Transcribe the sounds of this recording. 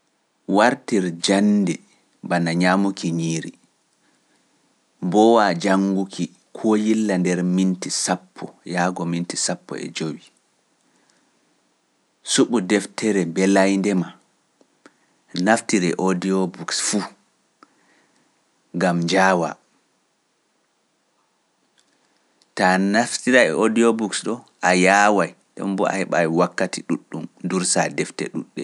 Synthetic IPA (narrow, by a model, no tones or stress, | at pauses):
waɾtiɾd͡ʒanːdɛ | banaɲaːmukiɲiːɾi | bɔwad͡ʒaŋɡukʰi | kʰɔjilːandɛɾmintisapʰːɔjaːɡɔmintisapːɔ̰ɛ̰d͡ʒowi | suɓudɛftɛɾɛbɛlajndɛma | naftiɾɛʔodiɔbuksfu | ŋɡamd͡ʒaːwa̰ | tanaftiɾaɛʔodiɔbuksɗɔ | ʔajaːwajɗɛ̰mbɔa̰hɛɓa̰jiwakːatʰiɗuɗːumnduɾsadɛftɛ̰ɗṵɗːɛ̰